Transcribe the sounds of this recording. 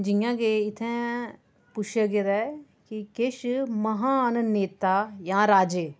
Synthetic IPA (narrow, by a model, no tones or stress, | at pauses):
d͡ʒɪjãːɡeɪt̪ʰɛ̃ː | pʊt͡ʃʰeɡeɾɛ | kikeʃməɦaːnneːt̪aːjãːɾaːd͡ʒeː